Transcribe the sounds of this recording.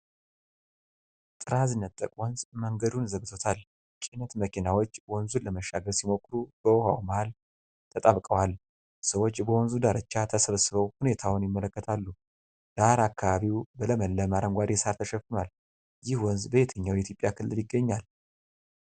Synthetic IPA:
t̪ʼɨɾazɨnːət̪ʼːə̰kʼwɔnzməŋɡəd̪unzəɡt̪ʰot̪ʰal | t͡ʃʼinət̪məkʰinawo̞t͡ʃːwɔnzuləməʃːaɡəɾsimo̞kʰːɾub̥əwhawmahal | t̪ʰət̪ʼaβkʼəwal | səwo̞t͡ʃːbəwɔnzud̪aɾət͡ʃːat̪ʰəsəβəsːɨβəwhune̞t̪ʰawnjɪmːələkːət̪ʰalːu | d̪̥aɾakːaβaβiwbələməlːəmaɾəŋɡʷad̪jɛsaɾt̪ʰəʃəfɨnal | jɪhwɔnzbəjet̪ʰəɲːawjit̪ʰjo̞pʼjakʰɨlːɨljɪɡːəɲːal

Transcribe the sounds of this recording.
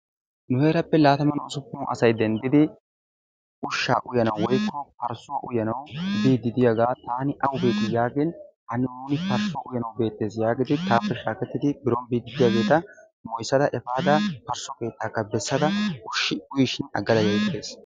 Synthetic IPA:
nʊhe̞ːɾɐpːɛlaːt̪ɐmɐnɐwsʊpːʊʔɐ̰sɐjd̪ɛnd̪ɪd̪ɪ | ʊʃːa̰ːʔʊjɐnɐwwɔjkːɔpɐɾsɔʔʊ̰jɐnɐwbiːd̪ːɪd̪ɪjaɡaːt̪aːnɪʔɐwʊbe̞ːt̪ɪjaːɡɪnhɐnɪnuːnɪpɐɾsɔʔʊjɐnɐwbe̞ːt̪ːe̞ːsjaːɡɪd̪ɪt̪aːpːɛʃaːkɛt̪ːɪd̪ɪbɪɾɔnbiːd̪ːɪd̪ɪjaːɡe̞ːt̪ɐ | mɔjsːɐd̪ɐʔɛfaːd̪ɐpɐɾsɔke̞ːt̪ːaːkːɐbɛsːɐd̪ɐʊʃːɪʊjɪʃɪnɐ̰ɡːɐd̪ɐjɐjt̪ːe̞ːs

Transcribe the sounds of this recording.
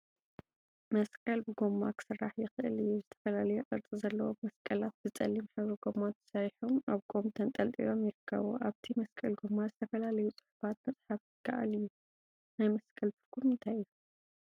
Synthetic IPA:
mɐskʼɐlbɨɡomːakʰɨ̥sɨrːaħjɪxɨʔɨ̰lɨjːuzɨt̪ʰɐ̥fɐlalɐjuʔʼɨɾt͡sʼizɐlːɐwomɐskʼɐlat̪̚zɨt͡sʼɐlːimħɨβɾɐɡo̞mat̪ɨ̥sajħomaβɡʰʼo̞mt̪ʰɐnt̪ʼɐlt̪ʼḭlo̞mjɪɾɨkʰːɐ̰βo̰ʔaβt̪ʰimɐskʼɐlɡomːazɨt̪ʰɐfɐlalɐjut͡sʼɨ̥ħu̥fat̪̚mɐt͡sʼħafjɨkʰːa̰ʔa̰lɨjːu | najmɐskʼɐlt̪ʰɨɾkʰumːɨnt̪ʰajju

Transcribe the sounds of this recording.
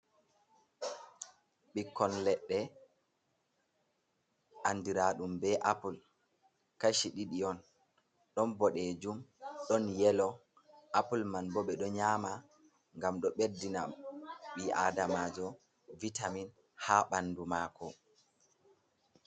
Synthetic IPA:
ɓikːɔnlɛɗːɛ | ʔandiɾaɗumbɛʔapul | kaʃiɗiɗiɔn | ɗɔnbɔɗɛd͡ʒumɗɔnjɛlɔ | ʔapulmanbɔɓɛɗɔɲaːma | ŋɡamɗɔɓedːina̰ɓiʔa̰damaːd͡ʒɔ | vitamin | haɓandumaːkɔ

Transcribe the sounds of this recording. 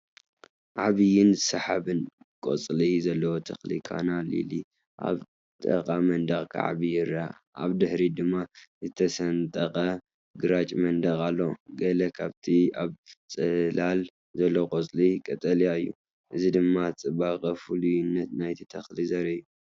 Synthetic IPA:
ʕaβijɪnzɨsɐħaβɨn | kʼo̰t͡sʼlizɐlːɐwot̪ʰɐxlikʰa̰nalḭli | ʔa̰β | t̪ʼɐ̰kʼamɐnd̪ɐɣkʰa̰ʕa̰βijɪɾa | ʔa̰βd̪ɨhɾid̪ɨmːazɨt̪ʰɐsɐnt̪ʼɐχʼɐ | ɡɨɾat͡ʃʼmɐnd̪ɐɣʼalːo̞ɡɐlɐkʰaβt̪ʰiaβt͡sʼɨlal | zɐlːokʼot͡sʼlikʼɐt̪ʼɐlijaɨjːṵ | ʔɨzid̪ɨmːat͡sʼɨbakʼɐfulujɪnːɐt̪najt̪ʰit̪ʰɐxlizɐɾɐjːu

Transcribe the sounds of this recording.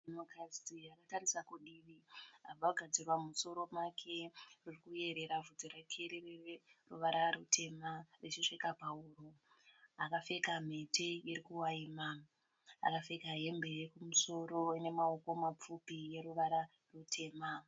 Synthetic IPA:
mokrasiakatarisakuɗiʋiabʱaɡʱad͡zirwamuso̞ɾo̞makʰe̞ririkuje̞ɾe̞ɾavʱud͡zoɾakʰeɾirererṵʋaɾarutʰe̞maret͡ʃiʂekapauːru | akafe̞kam̤e̞tejiɾikuwaiːma | a̰kafe̞kaɦe̞mbe̞jekumuso̞ɾo̞ine̞maoko̞map͡fupije̞ɾuʋaɾa | rutʰe̞ːma

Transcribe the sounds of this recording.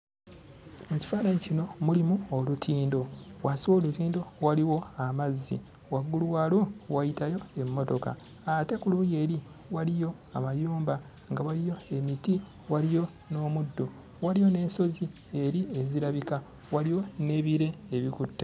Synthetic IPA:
muci̥faːnaɲicino̞mulimuolutʰiːndo̞wasiwoːlutiːndo̞waliwo̞amazːḭ | waɡulwaːlowajitajo̞e̞mːo̞to̞ka̰ː | te̞kuluje̞ːɾi | walijo̞ | amajuːmba | ŋɡawalijo̞e̞miti | walijo̞ | no̞ːmudːo | walijo̞ne̞ːso̞zi | e̞ɾie̞ziɾaβika | waliwo̞ne̞ːβiɾe̞ːβikutːḁ

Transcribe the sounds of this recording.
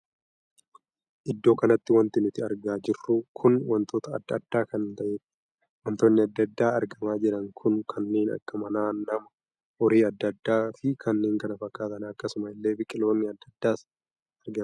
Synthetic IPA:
ʔɪd̪ːo̞ːkɐnɐt̪ːɪwɐnt̪ɪnʊt̪ɪɐɾɡaːd͡ʒɪrːʊkʰʊnwɐnt̪o̞ːt̪ɐɐd̪ːɐ̰d̪ːaːkɐnt̪ɐʔe | wɐnt̪oːnːɪɐd̪ːɐd̪ːaːɐɾɡɐmaːd͡ʒɪɾɐŋkʰʊnkʰɐnːeːnɐ̰ɾɡ̥ɐmɐnaːnɐmɐ | ɔɾiːɐd̪ːɐd̪ːaːfɪkʰɐnːeːŋkɐnɐfɐkʼːaːt̪ɐnɐkːɐsʊmɐɪlːe̞ːbɪkʼɪlo̞ːnːɪɐd̪ːɐd̪ːaːs | ɐɾɡɐ

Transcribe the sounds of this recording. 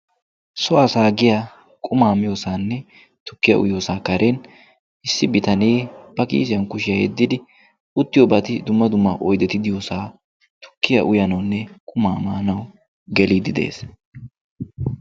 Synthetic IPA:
sɔɐsaːɡɪja | kʼʊmaːmɪjoːsaːnːɛ | t̪ʊ̥kːɪjɐ̰ʔʊ̰jo̞ːsaːkɐɾʔen | ʔɪsːɪbɪt̪ɐneːb̥ɐkḭːs̬ɪjɐnkʊʃɪjɐhɛ̰d̪ːɪd̪ɪ | ʊt̪ːɪjɔbɐt̪ɪd̪ʊmːɐd̪ʊmːɐʔɔjd̪ɛt̪ɪd̪ɪjoːsaː | t̪ʊ̥kːɪjɐ̰ʔʊjɐnɐwnːɛkʼʊmaːmaːnɐw | ɡɛliːd̪ɪd̪e̞̰ːs

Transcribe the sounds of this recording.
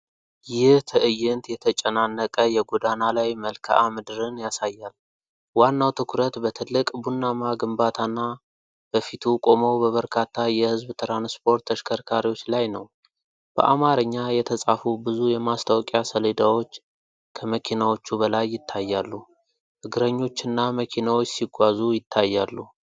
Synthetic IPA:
jɪht̪ʰɨʔɨjːɪnt̪jɛt̪ʰət͡ʃʼənanːəkʼəjɛɡod̪analajməlkʰa̰ʔamɨd̪ɨɾɨnjasajːal | wanːawt̪ʰɨkʰuɾət̪bət̪ʰɨlːɨkʼbunːamaɡɨmbat̪ʰanːa | b̥əfit̪ʰukʼo̞məwbəβəɾkʰat̪ːajɛhɨzbt̪ʰɾanspʰo̞ɾt̪ʰːəʃkʰəɾkʰaɾiwo̞t͡ʃːlajnəw | b̥ə̰ʔamaɾəɲːajɛt̪ʰəsʼafubɨzujɛmast̪ʰawkʼjasəled̪awo̞t͡ʃː | kʰəməkʰinawo̞t͡ʃːuβəlajːɪt̪ʰːajːalːu | hɨɡɾəɲːo̞t͡ʃːɨnːaməkʰinawo̞t͡ʃːsiɡʷazujɪt̪ʰːajːalːu

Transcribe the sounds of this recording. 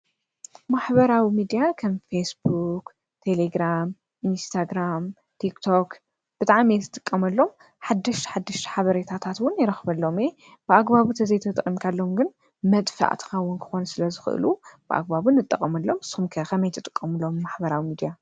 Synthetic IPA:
maħbɐɾawimid̪ijakʰɐmfesbuk | t̪ʰe̞leɡɾam | ʔinst̪ʰaɡɾam | t̪ʰikt̪ʰo̞k | b̥ɨt̪ʼaʕmet̪ʰɨt̪ʼɨkʼːɐmɐlːo̞m | ħad̪ːɨʃħad̪ːɨʃt̪ʰħaβɐɾet̪ʰat̪ʰat̪wʊnjɪɾɐxbɐlːo̞mje | b̥ɨʔaɡbaβut̪ʰɐzɐjt̪ʰɐt̪ʼɨkʼːimkʰalːomɡɨn | mɐt̪ʼfa̰ʔt̪ʰkɐwʊnkʰɨ̥xo̞nsɨlɐzɨxɨ̰ʔɨ̰lub̥ɨʔa̰ɡbaβunːɨt̪ʼːɐkʼːɐmɐlːo̞msumkʰɐkʰɐmɐjt̪ʰɨt̪ʼɨ̥kʼːɐmɨlo̞mːaħbɐɾawimid̪ija

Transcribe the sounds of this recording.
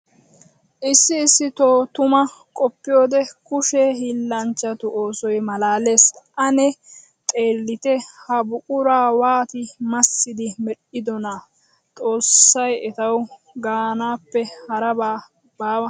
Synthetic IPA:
ʔɪsːɪːsːɪt̪oːt̪ʊmɐkʼɔpːɪjoːd̪ɛkʊʃeːhɪlːɐnt͡ʃːɐt̪ʊʔo̞ːsɔjmɐlaːle̞ːsʔɐnɛ | t̪ʼe̞ːlːɪt̪ɛhɐbʊkʼʊɾaːwaːt̪ɪmɐsːɪd̪ɪmɛɗɪd̪ɔnɐ | t̪ʼo̞ːsːɐjɛt̪ɐw | ɡaːnaːpːɛhɐɾɐbaː | baːwɐ

